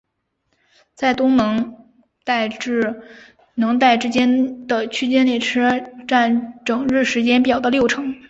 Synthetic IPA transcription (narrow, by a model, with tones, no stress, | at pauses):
t͡sa˥˩ɪt̪ʊ˥ŋnɤ˧˥ŋ | t̪a˥˧ɪʈ͡ʂɻ̩˥˩ | nɤ˧˥ŋt̪a˥˩ɪʈ͡ʂɻ̩˥t͡ɕjɛ˥nd̪ə˨t͡ɕʰy˥t͡ɕjɛ˥ne˥˩ɪʈ͡ʂʰɻ̩˥ʈ͡ʂa˥˩nʈ͡ʂɤ˨˩ŋɻɻ̩˥˩ʂɻ̩˧˥t͡ɕjɛ˥npjɑ˨˩ʊd̪ə˧˦ljo˥˩ʊʈ͡ʂʰɤ˧˥ŋ